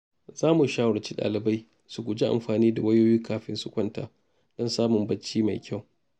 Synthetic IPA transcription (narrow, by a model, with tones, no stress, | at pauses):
zaː˦mu˨ʃaː˦wɐ˨ɽt͡ʃi̥˦ɗa̰ː˨lɪ˨ba˦j | su˨ɡʷʊ˨d͡ʒi˦ʔa̰˨mɸaː˨niː˦da˨wɐ˦joː˦jiː˦kaː˦ɸɪ˦nsʊ˦kʷɐ˦nta̰ː˨ | d̥ɔ˦nsaː˦mʊ˨mbɐ˦t͡ʃːiː˦ma˨jkʲʰa˦˨w